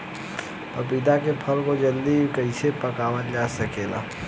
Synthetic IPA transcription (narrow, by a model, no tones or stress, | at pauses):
pəpid̪akepʰəlkod͡ʒəld̪ikəɪsepəkaːʋənd͡ʒaːsəkeːla̰ː